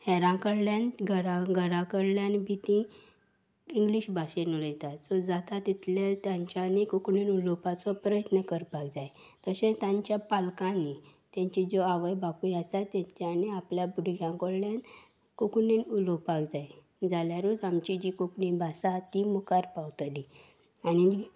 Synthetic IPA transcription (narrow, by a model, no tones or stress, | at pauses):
hɛɾãkəɽljãnɡʱəɾãɡʱəɾãkəɽljãnbʱit̪ĩ | iŋɡliɕbʱaɕenulət̪at̪sɔd͡zat̪at̪it̪lalt̪jãɲt͡ɕanikukɳinulɔpat͡sɔpɾəjət̪nəkəɾpaɡd͡zaj | t̪əɕẽt̪jãɲt͡ɕjapalkãnit̪jãɲt͡ɕid͡zoaʋəjbakujasat̪jaɲt͡ɕaniapljabuɽɡʱjãŋkɔɽljan | kukninulopakd͡zaj | d͡zaljaɾud͡zamt͡ɕid͡ʑikukɳibʱasat̪imukaɾpawt̪li | añi